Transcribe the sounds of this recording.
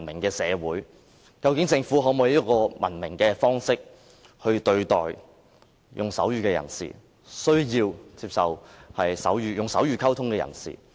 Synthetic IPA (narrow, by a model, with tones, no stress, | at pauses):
nmɪ˨˩ŋkɛː˧sɛː˨˧wuː˨˥j | kɐ˧wkɪ˨˥ŋt͡sɪ˧ŋfuː˨˥ɦɔː˨˥mu˨˧jiː˥kɔː˧mɐ̰˨˩nmɪ˨˩ŋkɛː˧fɔː˥ŋsɪ˥k̚ | hɵ˧ɥt̪ɵ˧ɥt̪ɔ̰ː˨j | jʔʊ˨˩ŋsɐ˨˥wjyː˨kɛː˧jɐ̰˨˩nsḭː˨˩ | sɵ˥ɥjiː˧wt͡siː˧p̚sɐ˨whɐ˨jsɐ̰˨˥wjyː˨˧jʊ˨ŋsɐ˨˥wjyː˨kʰɐ˥wt̪ʰʊ˥ŋkɛ˧jɐ̰˨˩nsḭː˨